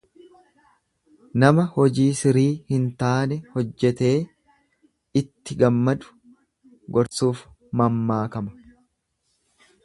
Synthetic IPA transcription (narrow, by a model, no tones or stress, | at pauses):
nɐmɐhɔd͡ʒiːsɪɾiːhɪnt̪aːnɛhɔd͡ʒːɛt̪e̞ː | ɪt̪ːɪɡɐmːɐd̪ʊ̥ | ɡɔɾsuːf | mɐmːaːkɐmɐ̥